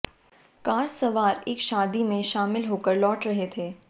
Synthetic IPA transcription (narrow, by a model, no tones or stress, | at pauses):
kaːɾsɐʋaːɾeːkʃaːd̪imẽʃaːmɪlɦoːkəɾlɔːʈɾɐɦet̪ʰeː